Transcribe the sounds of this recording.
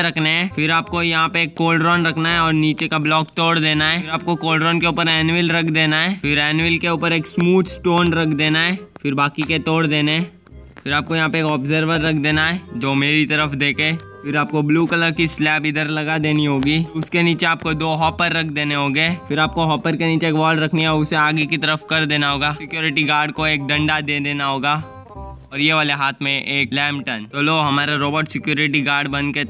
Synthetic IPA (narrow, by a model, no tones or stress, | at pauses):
ɾɐkʰneɦɛ̃ːfɪɾaːp̚kojɐɦãpeeːkːoːlɖɾɔːnɾɐkʰnaɦɛɔːɾniːt͡ʃekablɔːkt̪ɔːɽd̪eːnaɦɛːɪɾaːp̚kokoːlɖɾɔːnkeuːpəɾɛːnʋɪlɾɐkʰd̪eːnaɦɛːfɪɾɛːnʋɪlkeuːpəɾeːksmuːd̪sʈoːnɾɐkʰd̪eːnaɦɛːfɪɾbaːkiket̪ɔːɽd̪eːneɦɛ̃ː | fɪɾaːp̚kojɐɦãpeeːkɔːbzəɾʋəɾːɐkʰd̪eːnaɦɛːd͡ʒoːmeːɾit̪ɐɾəfd̪eːkʰẽfɪɾaːp̚kobluːkələɾkislɛːpɪd̪əɾlɐɡad̪eːniɦoːɡiːʊskeniːt͡ʃeaːp̚kod̪oːɦɔːpəɾːɐkʰd̪eːneɦoːɡeːfɪɾaːp̚koɦɔːpəɾkeniːt͡ʃeeːkʋɔːlɾɐkʰniɛɔʊseaːɡikit̪ɐɾəfkɐɾd̪eːnaɦoːɡaːsɪkjoːɾɪʈiɡaːɾɖkoeːk̚ɖɐ̃ɳɖad̪eːd̪eːnaɦoːɡaː | ɔːɾjeʋaːleɦaːt̪ʰmẽʔeːk̚lɛ̃ːmʈənt͡ʃɐloɦɐmaːɾaɾoːbəɾʈsɪkjoːɾɪʈiɡaːɾɖbɐ̃nke